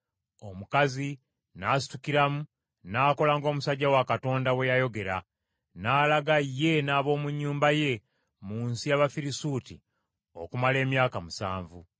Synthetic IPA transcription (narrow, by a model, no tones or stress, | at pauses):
o̞mukazi | naːs̬i̥tukiɾamu | naːko̞laŋɡo̞ːmusaɟːawakato̞ːndawe̞jajo̞ɡe̞ɾa | naːlaɡajːe̞naːβo̞ːmuɲːuːmbaje̞ | muːnsijaβafiɾisuti | o̞̰kumale̞ːmjaːkamusa̰ːɱvu